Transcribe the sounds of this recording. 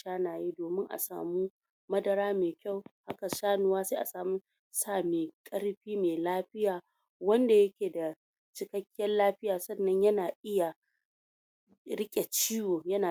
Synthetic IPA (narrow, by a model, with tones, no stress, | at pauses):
ʃaː˦naː˨jiː˦doː˨mɪ˦ŋʔa̰˨sa̰ː˨mu˦ | mɐ˦dɐ˨ɾaː˦meː˨kʲa˦˨wha˦ka˨ʃaː˦nʊ˦waː˦seː˦ʔa˨saː˨mʊ˦ | saː˦˨meː˨kʼɐ˦ɽɸiː˦meː˨laː˦ɸɪ˦jaː˨ | wɐ˦nda˨jɐ˦kʲeː˨da˨ | t͡ʃɪ˦kɐ˦kʲːɪː˦ɐ˦nlaː˦ɸɪ˦jaː˨sɐ˦nːɐ˦ɲjɐ˦naː˨ʔɪ˦ja˨ | ɾɪ˦kʲʼe˨t͡ʃiː˦woː˨jɐ˦naː˨